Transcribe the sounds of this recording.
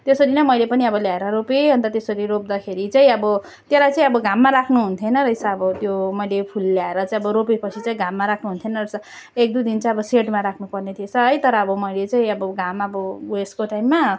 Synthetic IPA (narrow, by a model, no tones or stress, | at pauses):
t̪jesʌɾinʌmʌjlepʌniʌbʌljaeɾʌɾopeɦʌnt̪ʌt̪jesʌɾiɾop̚d̪akʰeɾit͡saĩʌbʌ | t̪jelajt͡saĩʌbʌɡamːaɾakʰnuɦunt̪ʰjenʌɾʌisaːbʌt̪jomʌjlepʰulːjaeɾʌt͡saĩʌbʌɾopepʌt͡sʰit͡saĩɡʱamːaɾakʰnuɦunt̪ʰjenʌrʌsʌ | ek̚d̪ud̪int͡saĩʌbʌseʈmaɾakʰnupʌrnet̪ʰiet͡sʰʌɦʌjt̪ʌɾʌʌbʌmʌjlet͡saĩʌbʌɡamʌbʌweskoʈajmːa